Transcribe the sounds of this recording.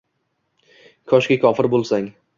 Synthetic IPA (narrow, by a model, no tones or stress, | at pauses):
kʰɒʃkʲakʲʰɒfɪɾbolˠsaŋ